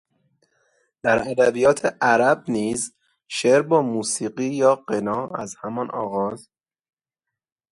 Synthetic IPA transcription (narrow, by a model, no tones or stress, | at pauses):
d̪̥æɾæd̪æbijɒːt̪ʰeʔæɾæb̚niːz | ʃeːɾbɒːmuːsiːɢiːjɒːɢenɒːæzhæmɒnʔɒ̰ːɣɒːz